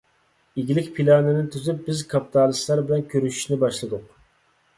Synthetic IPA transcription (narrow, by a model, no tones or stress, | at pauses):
eɡʲilɪkʲpʰilˠɑnɨnɪt̪ʰyzyp̚bɪzkʰɑpʰi̥t̪ʰɑlˠɨst̪lˠɑɾbɪlɛnkʲʰøɾyʃy̥ʃnɪbɑʃlˠɨd̪ʊq̚